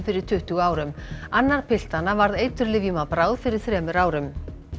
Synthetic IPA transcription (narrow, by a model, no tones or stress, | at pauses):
fɪɾɪɾ̥t̪ʰʏht̪uɣaːwɾʏmanːaɾ̥pʰɪl̥t̪anːavaɾðejt̪ʏɾlɪvjʏmapɾaːwðfɪɾɪɾ̥θɾɛːmʏɾaːwɾʏm